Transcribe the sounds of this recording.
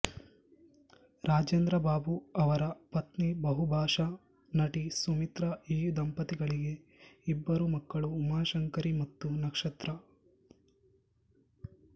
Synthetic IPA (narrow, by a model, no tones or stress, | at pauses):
ɾaːd͡ʒend̪ɾɐbaːbuɐʋɐɾɐpɐt̪nibɐɦubʱaːʃɐ | nɐʈisumit̪ɾɐiːd̪ɐmpɐt̪iɡɐɭiɡe̞ | ibːɐɾumɐkːɐɭuːmaːʃɐŋkɐɾimɐt̪ːunɐkʂɐt̪ɾɐ